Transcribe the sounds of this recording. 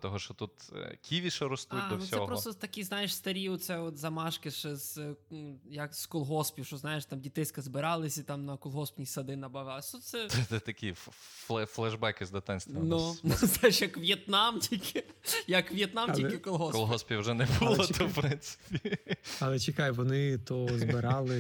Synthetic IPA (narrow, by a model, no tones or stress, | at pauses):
t̪ɔɦɔʃt͡ʃɔt̪ut̪kʲiʋʲiʃɐɾɔst̪ut̚ʲd̪ɔsʲɔɛɦpɾɔt̪ɔt̪ɐkʲiznajɪʃst̪ɐɾʲiɔt̪t̪sɛɔt̪zɐmɑʃkɪʃɛz | jɐkskɔlˠɦɔspʲjiʃt͡ʃɔznɑjɪʃt̪ɑmdʲit̪ɪsʲkɐzbɪɾɑlˠɪsʲit̪ɑmnɐkɔlˠɦɔspʲnʲisɐd̪ɪnɐbɐʋllˠɐsʲt̪ut̪t̪sɛɛɛt̪ɐkʲifˠɛflˠɛʒbɛkɪzd̪ɐt̪ɪnʲst̪ʋɐnunznajɪʃjɐkʋjet̪nɑmtʲikʲɪjɐkʋjɛt̪namtʲikɪkɔlˠɦɔskɔlˠɦɔspʲiɐwʒɛnɛbulˠɔt̪ɐwpɾɪnt̪sɪ̥pʲiɐlˠɛt͡ʃɪkɑjʊʋɔnɪt̪ɔzbbɪɾɑlˠɪ